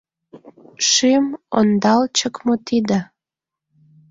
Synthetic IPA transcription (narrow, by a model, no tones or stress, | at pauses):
ʃimo̰nd̪ɑlt͡ɕəkmot̪id̪ə